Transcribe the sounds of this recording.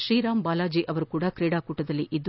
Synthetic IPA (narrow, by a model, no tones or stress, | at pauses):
ʃɾiːɾaːmbaːlaːd͡ʒiːʔɐʋɐɾukuːɽakɾiːɽaːkuːʈːɐd̪ɐlːiʔid̪ː